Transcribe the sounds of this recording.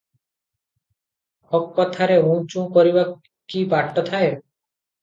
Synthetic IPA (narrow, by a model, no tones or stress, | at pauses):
hɔkːɔt̪ʰaɾeũt͡ʃũkɔɾiba | kibaʈʈɔt̪ʰae